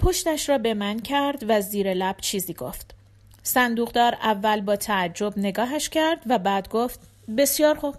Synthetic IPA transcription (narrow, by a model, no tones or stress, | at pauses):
pʰo̞ʃt̪æʃɾɒːbe̞mæncʰæɾd̪væziːɾe̞læb̥t͡ʃʰiːziːɡo̞̰ft̪ | sænd̪uːɣd̪ɒːɾævːælbɒːt̪ʰæːd͡ʒːo̞bne̞ɡɒːɦæʃcʰæɾd̪væbæːd̪ɡoːft̪ | be̞sijɒːɾxub̥̚